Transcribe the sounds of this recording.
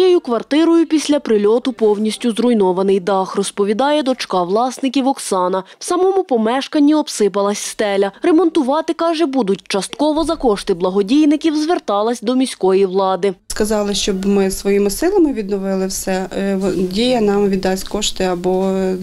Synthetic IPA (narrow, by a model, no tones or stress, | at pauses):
jejʊkʋɐrt̪ɪɾɔjʊpʲisʲlʲɐpɾɪlʲɔt̪ʊpɔwnʲisʲtʲʊzrʊjnɔʋɐnɪjd̪ɑxrɔspɔʋʲid̪ɑjɛd̪ɔt͡ʃkɑʋlˠɑsnɪkʲiwɔksɑnɐw̥sɐmɔmʊpɔmɛʃkɐnʲːiɔbsɪpɐlˠɐsʲst̪ɛlʲɐrɛmɔnt̪ʊʋɑt̪ɪkɑʒɛbud̪ʊt̚ʲt͡ʃɐst̪kɔʋɔzɐkɔʃt̪ɪblˠɐɦɔdʲijnɪkʲiwzʋert̪ɑlˠɐsʲd̪ɔmʲisʲkɔjiwlˠɑd̪ɪskɐzɑlˠɪʃt͡ʃɔbmɪsʋɔjimɪsɪlˠɐmɪʋʲid̪nɔʋɪlˠɪwsɛ | dʲijɐnɑmʋʲid̪ːɑsʲkɔʃt̪ɪɐbɔ